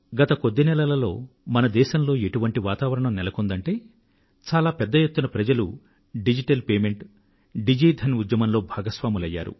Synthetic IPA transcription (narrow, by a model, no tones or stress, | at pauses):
ɡɐt̪ɐkod̪ːenɛlɐlɐlo̞ː | mɐnɐd̪ɛːʃɐmlo̞ːe̞ʈuʋɐɳʈiʋaːt̪aːʋɐɾɐɳɐmnɛlɐkond̪ɐɳʈe̞ː | t͡ʃaːlaːpɛd̪ːɐjet̪ːunɐpɾɐd͡ʒɐlu | ɖid͡ʒiʈɐlpeːme̞ɳʈ | ɖid͡ʒiːd̪ʱɐnud̪jɐmɐmlo̞ːbʱaːɡɐsʋaːmulɐjːa̰ːɾṵ